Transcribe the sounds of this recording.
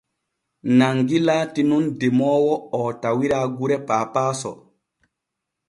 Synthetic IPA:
naŋɡilaːtinundɛmɔːwɔɔtawiɾaːɡuɾɛpaːpaːsɔ̰

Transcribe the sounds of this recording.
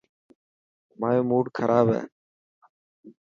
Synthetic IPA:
maːjoːmuːɖkʰəɾʔaːbɦɛ̰ː

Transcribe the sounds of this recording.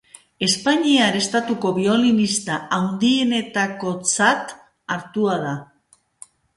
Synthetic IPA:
e̞spaɲiaɾe̞st̪at̪uko̞βio̞linist̪aawnd̪ie̞ne̞t̪ako̞t͡sat̪ | aɾt̪uað̞a

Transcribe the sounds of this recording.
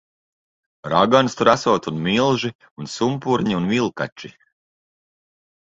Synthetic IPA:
ɾaɡanst̪uɾasuɔt̪unmilˠʒi | unsumpuɾɲiunvilˠka̰t͡ʃi

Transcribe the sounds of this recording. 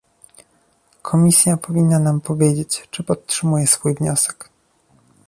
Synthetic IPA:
kʰɔmʲisʲjapɔvʲinːanampɔvʲjed͡ʑet͡ɕt͡ʂɘpɔt̪tʂɘmujɛsfujvɲɔsɛ̥k

